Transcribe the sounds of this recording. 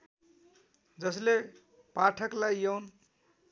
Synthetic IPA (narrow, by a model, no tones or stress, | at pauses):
d͡zʌsle | paʈʰəklajjown